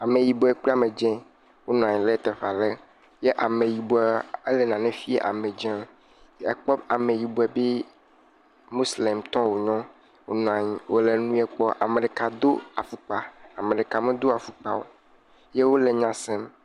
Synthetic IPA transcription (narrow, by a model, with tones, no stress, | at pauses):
a˨mẽ˨ji˨bo˨˦ɛ˨k͡pa˦˨mẽ˨d͡ʒɛ̃˦ | wo˦nũ˨a˨ɲ̃˨le˦t̪ɛ˨fa˨le˦ | je˦ʔa˨mẽ˨ji˨bo˨ɛ˨˦e˦le˨nã˨nɛ̃˦fi˦e˦ʔa̰˨mẽ˨d͡ʒɛ̃˦m | ɛ˨k͡pɔ˦ba˨mẽ˨ji˨bo˨ɛ˨be˦ | mo˦sle˨mt̪ɔ̃˦wo˨ɲɔ̃˦ | wo̰˦nũ˨ã˨ɲi˨wo˦le˨nũ˦ɛ˦k͡pɔ˦ʔa˨mẽ˨ɖe˨ka˨d̪o˦a˨fu˦k͡pa˨a˨mẽ˨ɖe˨ka˨mẽ˦d̪o˦a˨fu˦k͡pa˨wo̰˨ | je˦wo˦le˨ɲã˨sɛ˦m